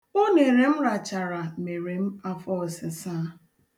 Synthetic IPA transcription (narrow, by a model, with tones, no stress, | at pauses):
o˦ne˨ɾe˨m̩˦ɾa˨t͡ʃa˨ɾa˨me˨ɾe˨m̩˦a˦fɔ˦˨sɪ˨sa˦